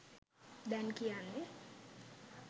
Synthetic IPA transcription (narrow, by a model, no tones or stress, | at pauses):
dankianːe